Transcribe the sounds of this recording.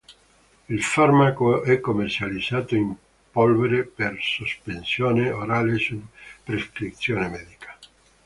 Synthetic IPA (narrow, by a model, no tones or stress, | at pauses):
ilfarmakoɛkːomːert͡ʃalid̪zːaːt̪oim | polveɾepersospensjoːneoɾalesupɾeskɾit̪sjoːnemɛd̪ikḁ